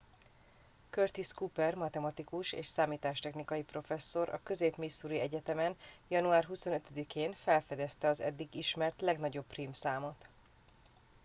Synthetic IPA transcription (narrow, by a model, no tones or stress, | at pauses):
kørt̪iskupɛrmɒt̪ɛmɒt̪ikuʃḛːʃsaːmiːt̪aːʃt̪ɛxnikɒjipro̞fɛsːo̞ɾɒ̰kø̞zeːpmisːuɾiɛɟɛt̪ɛmɛnjɒnuaːrɦuso̞nøt̪ød̪ikeːnfɛlfɛd̪ɛst̪ɛɒzɛ̰d̪ːiɡiʃmɛrt̪lɛɡnɒɟo̞pːriːmsaːmo̞t̪